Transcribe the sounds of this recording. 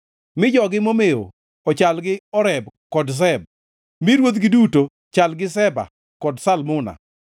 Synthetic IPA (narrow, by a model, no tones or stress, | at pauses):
mɪd͡ʒɔɡɪmomeo̰ | ɔt͡ʃalɡɪɔɾɛbkɔds̬ɛb̚ | mɪɾwot̪ɡɪduto | t͡ʃalɡɪs̬ɛba̰ | kɔdsalmʊna̰